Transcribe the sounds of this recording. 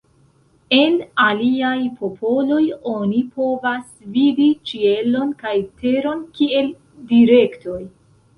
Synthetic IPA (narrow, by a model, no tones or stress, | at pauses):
e̞naliajpʰo̞pʰo̞lo̞jo̞nipo̞vas | vidit͡ʃie̞lo̞nkajte̞ɾo̞nkie̞l | diɾe̞kto̞j